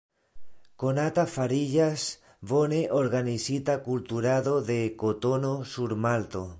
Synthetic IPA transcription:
konat̪afaɾiʎas | βoneʔoɾɣanisit̪akult̪uɾaðoðekot̪onosuɾmalt̪o

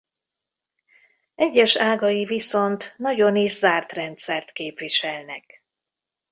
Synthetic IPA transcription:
ɛɟːɛʃaːɡɒjiviso̞nt̪nɒɟo̞niʒzaːrt̪rɛnt̪sɛrt̪keːpviʃɛlnɛk

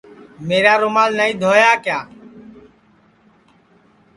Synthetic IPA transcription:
meːɾaːɾʊmaːlnəĩːd̪ʱoːjaːkjaː

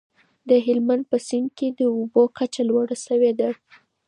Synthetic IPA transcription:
d̪əɦɪlmand̪̚pəsɪɳked̪əubokat͡ʃalwaɽasəwed̪a

